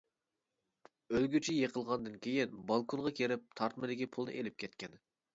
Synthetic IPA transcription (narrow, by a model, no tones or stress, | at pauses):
ølɡʲyt͡ʃʰijeqʰəlˠʁɑnd̪ɨnkʲʰejɪnbɑlˠkʰonʁɑkʲʰeɾɪp̚t̪ʰɑɾt̪mɨd̪ɪkʲipʰulˠd̪ɨ̰ʔelɪp̚kʲʰɛt̪kʲʰɛn